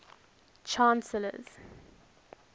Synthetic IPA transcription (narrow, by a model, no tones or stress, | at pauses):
t͡ʃʰãnsələ̰z̥